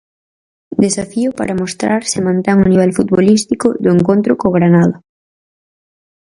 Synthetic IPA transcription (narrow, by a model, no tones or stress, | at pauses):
d̪esafiʊpa̰ɾɐmost̪ɾaɾsɪmãnt̪eŋʊniβ̞ɛlfut̪βolist̪ikʊðʊeŋkont̪ɾʊkoːɣɾanaðɐ